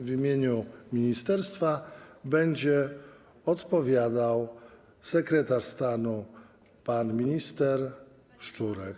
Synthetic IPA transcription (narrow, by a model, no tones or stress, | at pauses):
vʲimʲjeɲumʲiɲist̪ɛɾst̪fabɛɲd͡ʑɛ | ɔt̪pɔvʲjad̪aw | sɛkɾɛt̪aʂst̪anu | panmʲiɲist̪ɛɾ | ʂt͡ʂuɾɛk